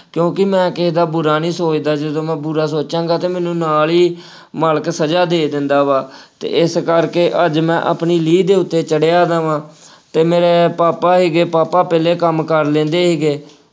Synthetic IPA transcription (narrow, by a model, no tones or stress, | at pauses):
kjõːkɪmɛ̃ːkɪɦd̪aːbʊɾaːnĩːsoːt͡ʃd̪aːd͡ʒəd̪õːmɛ̃ːbʊɾaːsoːt͡ʃãːŋɡaːt̪eːmɛ̃ːnũːnaːliː | maːləksəd͡ʒaːd̪eːd̪ɪnd̪aːʋaːt̪ḛːɪskəɾkeːʔəd͡ʒmɛ̰̃ːʔa̰pɳiːliːd̪eːʊt̪ːeːt͡ʃəɽejaːd̪ãːʋãː | t̪eːmeːɾeːpaːpaːɦiːɡeːpaːpaːpɛːleːkəmkəɾlẽːnd̪eːɦeːɡeː